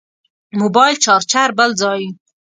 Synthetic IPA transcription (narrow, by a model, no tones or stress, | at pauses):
mubɑjlt͡ʃɑɾt͡ʃaɾbəld͡zɑji